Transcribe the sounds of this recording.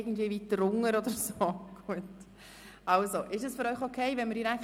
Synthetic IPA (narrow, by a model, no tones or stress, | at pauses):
ɡən̩tviːəʋit̪ɾʊŋːəɾɔd̪əɾsoːɡ̥uət | ɑʊsoʔɪʃəsføɾœʏxokʰɛɪʋɛnməɾd̥iɾæk